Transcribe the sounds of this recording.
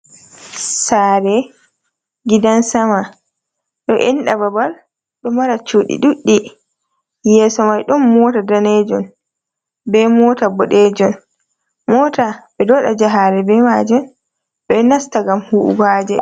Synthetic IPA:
saːɾɛ | ɡidansama | ɗɔʔɛnɗababal | ɗɔmaɾat͡ʃuːɗḭɗuɗːi | jɛsɔmajɗɔnmɔtadanɛd͡ʒɔn | bɛmɔːtabɔɗɛd͡ʒɔn | mɔtabɛdɔɗad͡ʒaɦaɾɛbɛmad͡ʒɔn | ɓɛnastaɡamhuʔɡaːd͡ʒɛ̰

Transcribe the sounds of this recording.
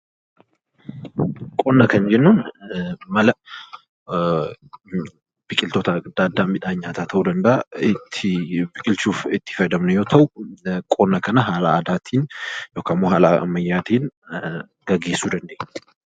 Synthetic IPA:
kʼonːɐkɐnd͡ʒɛnːun | mɐlɐ | b̥ɪkʼɪlt̪ɔt̪ɐd̪̥aːd̪ːaːmɪᶑaːɲːaːt̪at̪ʰɐwud̪ɐnd̪at̪ːbɪkʼɪlt͡ʃuːfɪt̪ːɪ̥fɐjd̪ɐmnʊjoːt̪ʰɐwukʼonːɐkɐnɐɦaːlaːd̪aːt̪ʰiːnjoːkʰɐmːohaːla̰mːɐjːaːt̪iːn | ɡɐɡe̞ːsuːd̪ɐnd̪eːɲː

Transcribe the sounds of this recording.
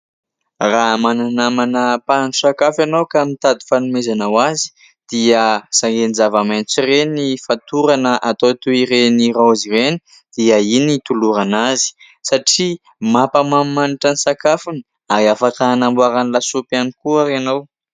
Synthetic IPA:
raɦmananamanəpanʈ͡ʂu̥sakafanawkamit̪ad̪i̥fanumezanawazi̥ | d̪̥iəsaŋɡenizavamant͡sirenifat̪uɾanəʔat̪ot̪uiɾeniɾaazireni̥ | d̪̥iainit̪uluɾanazi̥ | saʈ͡ʂi | mapəmammaniʈ͡ʂanisakafuni̥ | aɾiafakanambuaɾanilasupanikuaɾeanaw

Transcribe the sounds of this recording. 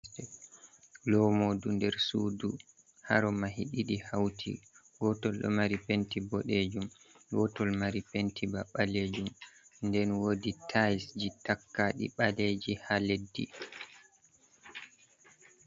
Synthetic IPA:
ɛ | lɔmodundɛɾsuːdu | ha̰ɾɔmahiɗiɗihawtʰḭ | ɡɔtɔlɗɔ̰maɾipentibɔɗed͡ʒum | ɡɔtɔlmaɾipentibaɓaled͡ʒumndɛnwoditʰajsd͡ʒitakːaɗḭɓaled͡ʒihaledːḭ

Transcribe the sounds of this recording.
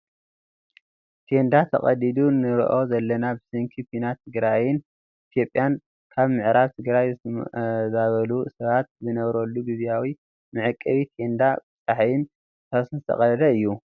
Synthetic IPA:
t̪ʰe̞nd̪at̪ʰɐ̰χʼɐ̰d̪id̪unɨɾ̰ʔo̞zɐlːɐnabɨsɨŋkʰipʰinat̪ʰɨɡɾajɪn | ʔit̪ʰijo̞pʼjan | kʰaβmɨʕɾaβt̪ʰɨɡɾaj | zaβɐlusɐβat̪̚zɨnɐβɾɐlːuɡiβjawi | mɨʕɨkʼːɐβit̪ʰe̞nd̪abɨt̪ʼaħjɪn | t̪ʰasnɨt̪ʰɐ̰χʼɐɾɐd̪ɐɨjːu

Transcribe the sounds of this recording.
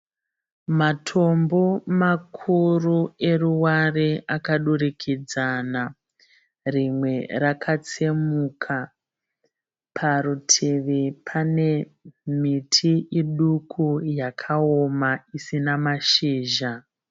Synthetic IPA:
matʰo̞mbo̞makʰurue̞ruwareʔakaɗuɾikʰid͡zana | rimwe̞rakʰat͡semukʰa | pʰaɾutʰeʋepʰane̞ | mitʰiʔiɗukʰujakʰaomaisinamaʃiːʒa

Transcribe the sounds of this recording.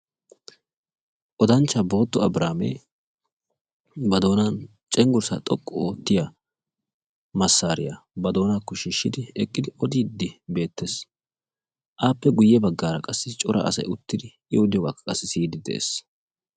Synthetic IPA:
ʔɔd̪ɐnt͡ʃːɐbo̞ːt̪ːɔɐbɾaːmḛ | bɐd̪o̞ːnan | t͡ʃʼɛŋɡʊɾsɐ̰t̪ʼɔkʼːɔoːt̪ːɪja | mɐsːaːɾɪjɐbɐd̪o̞ːnaːkːɔʃɪːʃːɪd̪ɪɛkʼːɪd̪ɪʔɔd̪iːd̪ːɪbe̞ːt̪ːeːs | ʔaːpːɛɡʊjːɛbɐɡːaːɾɐkʼɐsːɪt͡ʃʼɔɾʔɐ̰ɐ̰sɐ̰jʊt̪ːɪd̪ɪ | ɪʊd̪ɪjɔɡakːɐkʼːɐsːɪsiːd̪ɪd̪ɛ̰ʔḛːs

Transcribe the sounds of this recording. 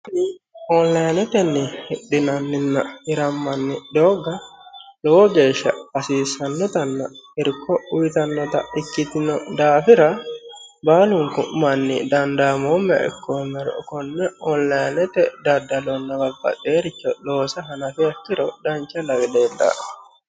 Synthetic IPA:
diɔnlajnɛt̪ɛnːihiɗːinanːinːaiɾamːanːidɔːɡalɔd͡ʒɛʃa̰asiːsanːɔt̪anːaiɾkːɔujit̪anːɔt̪a̰ikːit̪inɔdaːfiɾa | baːluŋkumanːḭdandamɔmɛ̰ʔɛ̰kʰːɔmɛɾ̰ɔ̰kɔnːɛɔnlajnɛt̪ɛdadːalɔnːɔɡabːa̰d̪ɛɾit͡ʃːɔɗɔsaɦanafiakːiɾɔdaɲt͡ʃalaɡɛdɛda̰

